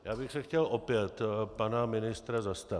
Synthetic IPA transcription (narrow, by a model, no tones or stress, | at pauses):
jaːbɪxsɛxcɛlʔopjɛt̪panamɪnɪst̪ɾazast̪a